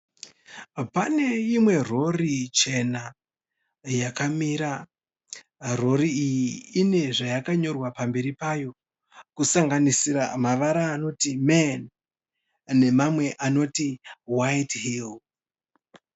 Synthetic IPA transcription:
pane̞imwe̞ro̞rit͡ʃe̞na | jakamiɾa | ro̞riijiːne̞ʐajakaɲo̞rwapambe̞ɾipajo̞ | kusaŋɡanisiɾa̰maʋaɾaːno̞timen | e̞mamwe̞ʔano̞tiwaitɦil

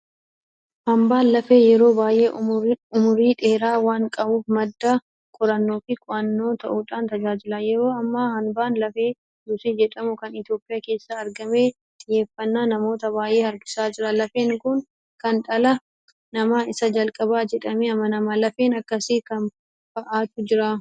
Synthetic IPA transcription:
hɐmbaːnlɐfe̞ːjɛɾo̞ːbaːjʔe̞ːʊmʊɾiːᶑe̞ːɾaːwaːŋkʼɐbuːfmɐd̪ːa | kʼʊɾɐnːo̞ːfɪkʼʊʔɐnːo̞ːt̪ɐʔuːᶑaːnt̪ɐd͡ʒaːd͡ʒɪlaːjɛɾo̞ːɐmːɐhɐmbaːnlɐfe̞ː | d̪ʊsiːd͡ʒɛᶑɐmʊkɐnɪt̪jo̞ːpʼɪjaːke̞ːsːɐːɾɡɐme̞ː | t̪ʼɪje̞ːfːɐnːaːnɐmo̞ːt̪ɐbaːjʔe̞ːɐɾɡɪsaːd͡ʒɪɾɐlɐfeːnːkʊn | kɐnᶑɐlɐ | nɐmaːɪsɐd͡ʒɐlkʼɐbaːd͡ʒɛᶑɐmeɐmːɐnɐmɐlɐfeːnɐkːɐsiːkɐn | b̥ɐʔaːt̪ʊd͡ʒɪɾa

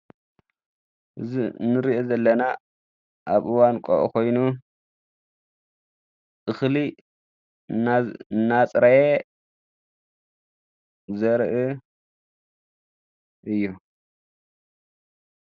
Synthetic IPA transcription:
ʔɨzinːɨɾiʔozɐlːɐna | ʔaβʔɨwankʰʼo̰ʔukʰo̞jnu | ʔɨxli | nnːat͡sʼɾɐje | zɐɾʔɨ | ʔɨjːu

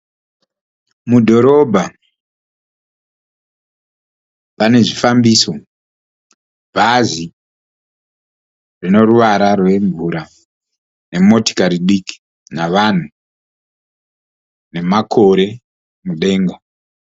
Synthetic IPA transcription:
mudʱo̞ɾo̞bʱa | pane̞ʐifambiso | bʱazi | rino̞ruʋaɾarwe̞ɱvuɾa | ne̞mo̞ti̥kaɾiɗiki̥ | naʋan̤u | ne̞makʰo̞ɾe̞ | muɗe̞ːŋɡo

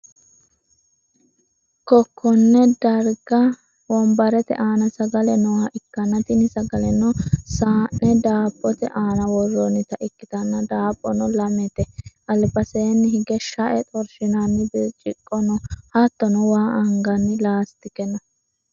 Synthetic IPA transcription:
kɔkʰːɔnːɛd̪ɐɾɡɐ | wɔmbɐɾɛt̪ɛ̰ʔaːnɐsɐɡɐlɛnɔhɐʔɪkːɐnːɐt̪ɪnɪsɐɡɐlɛnɔsaːnːɛd̪aːpʼːɔt̪ɛʔaːnɐwɔrːɔnɪt̪ɐʔɪkːɪt̪ɐnːɐd̪aːpʼːɔnɔlɐmɛt̪ɛʔɐlbɐseːnːɪɦɪɡɛʃɐʔɛt̪ʼɔɾʃɪnanːɪbt͡ʃʼɪkʼːɔnɔhɐt̪ːɔnɔwaːʔɐŋɡɐnːɪlaːst̪ɪkɛnɔ

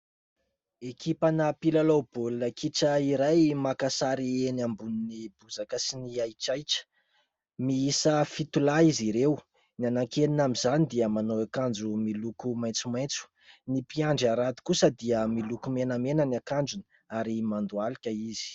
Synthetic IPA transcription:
ekipanəpilalob̥olunəkiʈ͡ʂəiɾajmakasaɾienambuninibud͡zakəsiniajʈ͡ʂajʈ͡ʂə̥ | miisəfit̪ulaiziɾew | nianaŋkelinamizanid̪iəmanoakand͡ʒumilukumaj̃t͡sumaj̃t͡su̥ | nipiaɳɖ͡ʐaɾat̪u̥kusəd̪iəmilukumenəmenənakand͡ʒun | aɾimand̪ualikʲəizi̥

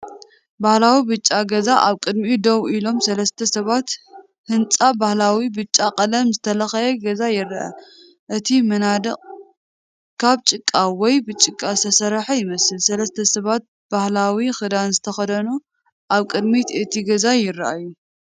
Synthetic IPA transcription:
bahlawibɨt͡ʃʼːaɡɐzaʔaβkʼɨd̪mid̪owʔilo̞msɐlɐst̪ʰɐsɐβat̪ | hɨnt͡sʼabahlawibɨt͡ʃʼːaqʼɐlɐmzɨt̪ʰɐlɐxɐjɐɡɐzajɪɾʔa̰ | ʔɨt̪ʰimɐnad̪ɨqʼ | kʰaβt͡ʃʼɨkʼːawɔjbɨt͡ʃʼɨkʼːast̪ʰɐsɐɾħajɪmɐsɨlsɐlɐst̪ʰɐsɐβat̪̚ | bahlawixɨd̪anzɨt̪ʰɐxɐd̪ɐnu | ʔaβkʼɨd̪mit̪ɨt̪ʰiɡɐzajɪɾːaʔajːu

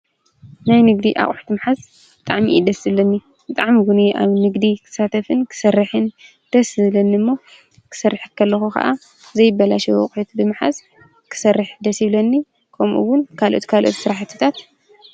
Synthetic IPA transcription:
najnɨɡd̪iʔa̰χʼħu̥t̪ɨmħaz | bɨt̪ʼaʕmiʔid̪ɐsiβlɐnːi | bɨt̪ʼaʕmiɡuniʔa̰βnɨɡd̪ikʰɨ̥sat̪ʰɐfɨnkʰɨ̥sɐrːɨħɨn | d̪̥ɐsɨlɐnːiɨmːo̞ | kʰɨ̥sɐrːɨħkʰːɐlːɐxukʰɐ̰ʔa | zɐjɪbːɐlaʃɐw̰χʼħut̪bɨmħa̰z | kʰɨ̥sɐrːɨħd̪ɐsiβlɐnːi | kʰɐmʔṵwːʊnkʰalʔo̰t̪kʰalʔo̞̰t̪sɨɾaħt̪ʰɨ̥t̪ʰat̪

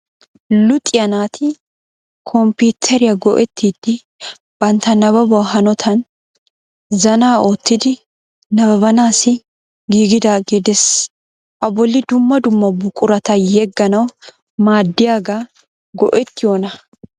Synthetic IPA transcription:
lʊt̪ʼɪjɐnaːt̪ʰɪ | kʰɔmpuːt̪ʰːɛɾɪjɐɡɔʔɛt̪ʰːiːd̪̥ːɪ | b̥ɐnt̪ɐnɐβɐbɔaɦɐnɔt̪ʰɐn | zɐnaːoːt̪ːɪd̪ɪ | nɐbɐbɐnaːsɪ | ɡiːɡɪd̪aɡid̪ɛs | ʔɐbɔlːɪd̪ʊmːɐd̪ʊmːɐbʊkʼːʊɾɐt̪ɐjɛɡːɐnɐw | maːd̪ːɪjaːɡa | ɡɔ̰ʔɛt̪ːɪjoːnɐ

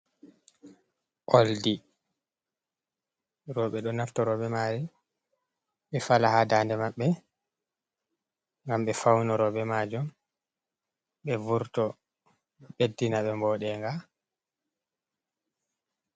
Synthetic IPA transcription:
ʔoldi | ɾɔɓɛɗɔnaftɔɾɔɓɛmaːɾi | ɓɛfalahadandɛmaɓːɛ | ŋɡamɓɛfawnɔɾɔɓɛmaːd͡ʒɔm | ɓɛvuɾtɔ | bedːinaɓɛmbɔːɗɛŋɡa

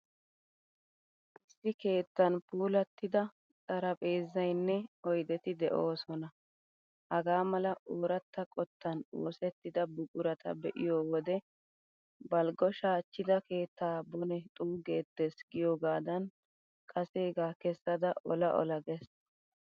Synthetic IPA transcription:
ʔɪsːɪke̞ːt̪ːɐnpuːlɐt̪ːɪd̪ɐ | t͡sʼɐɾɐpʼe̞ːzːɐjnːɛɔjd̪ɛt̪ɪd̪ɛʔo̞ːsɔnɐ | hɐɡaːmɐlɐʔoːɾɐt̪ːɐkʼɔt̪ːɐno̰ːsɛt̪ːɪd̪ɐbʊkʼʊɾɐt̪ʰɐ̰bɛʔɪ̰joːwɔd̪ɛ | bɐlɡɔʃaːt͡ʃːɪd̪ɐke̞ːt̪ːaːbɔnɛt̪ʼuːɡeːt̪ːesɡɪjoːɡaːd̪ɐn | kʼɐse̞ːɡaːkɛsːɐd̪ɐʔɔlɐʔɔ̰lɐɡɛs

